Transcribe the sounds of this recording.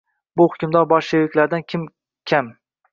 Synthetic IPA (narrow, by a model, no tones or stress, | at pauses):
bʊhʊkʲʊmd̪ɒɾbɒɾʃewɪkʲlaɾd̪ankʲʰɪm | kʲʰam